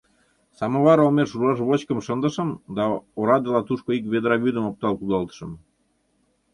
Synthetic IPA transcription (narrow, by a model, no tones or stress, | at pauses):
sɑmoβɑɾɑomeʃurlɑʃ̬βot͡ɕkəmʃənd̪ə̆ʃə̆md̪ɑoɾɑd̪elɑt̪uʃkoik̬βed̪ɾɑβyd̪əmop̚t̪ɑlkud̪ɑlˠt̪ə̥ʃə̆m